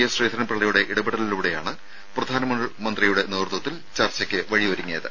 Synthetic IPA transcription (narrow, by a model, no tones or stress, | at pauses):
jɐsriːt̪ɐɾɐnpɐɭːɐjuɽe̞ʔiɽɐbeɽɐliluɽe̞ja̰ːɳɨ | prɐd̪ʱaːnɐmɐɳɨmɐnd̪rijuɽe̞neːrt̪wɐt̪ːil | t͡ɕɐrt͡ɕːɐkʲːɨʋɐɻiʋɐɾuŋːijɐðɨ